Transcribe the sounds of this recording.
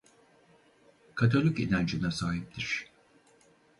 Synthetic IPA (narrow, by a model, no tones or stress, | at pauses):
kʰat̪ʰolʲycinʲand͡ʒɯnasaːɦip̚t̪ʰiɾ̝̥